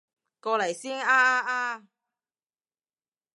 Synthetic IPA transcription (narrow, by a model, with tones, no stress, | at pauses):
kɔː˧lɐ˨˩jsiː˥naː˧˥ʔaː˧ʔaː˧